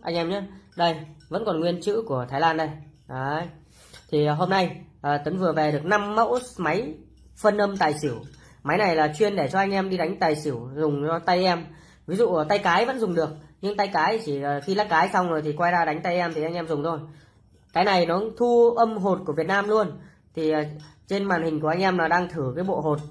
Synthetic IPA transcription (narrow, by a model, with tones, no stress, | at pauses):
ʔa˧jŋʔɛ˧mɲa˨˦ɗə˧jvə̰˧˥nkɔ˨˩nŋwi˧ənt͡ɕɨ̰˧˥ku˧˩ət̪ʰaː˨˦jlaː˧nɗə˧j | ʔaː˨˦j | t̪ʰi˨˩ɦo˧mna˧jʔəː˨˩t̪ə˨˦ŋvɨ˨˩əve˨˩ɗɨ˨˩ək̚na˧mːə̰˧˥wma˨˦j | fə˧nʔə˧mt̪aː˨˩jsi˧˩əw | ma˨˦jna˨˩jlaː˨˩t͡ɕwi˧ənɗe˧˩t͡ɕɔ˧ʔa˧ŋ̟ʔɛ˧mɗi˧ɗa˨˦jŋ̟t̪aː˨˩jsi˧˩əwzʊ˨˩ŋ͡mt͡ɕɔ˧t̪a˧jʔɛ˧m | vi˨˦zṵ˧˨˩t̪a˧jkaː˨˦jvə̰˧˥nzʊ˨˩ŋ͡mɗɨ˨˩ək̚ɲɨ˧ŋt̪a˧jkaː˨˦jt͡ɕi˨˩˨xi˧laː˦˥kaː˨˦jsa˧wŋ͡mzo˨˩jt̪i˨˩kwaː˧jzaː˧˩ɗa˨˦jŋ̟t̪a˧jʔɛ˧mt̪ʰi˨˩ʔa˧jŋʔɛ˧mzʊ˨˩ŋ͡mt̪ʰo˧j | kaː˨˦jna˨˩jnɔ˨˦t̪ʰu˧ʔə˧mɦo˨˩t̚ku˧˩əvət̚naː˧mlu˧ən | t̪ʰi˨˩əː˨˩t͡ɕe˧nmaː˨˩nhï˨˩ŋ̟ku˧˩əʔa˧jŋ̟ʔɛ˧mlaː˨˩ɗaː˧ŋt̪ʰɨ˧˩kaː˨˦jɓo̰˧˨ɦo˨˩t̚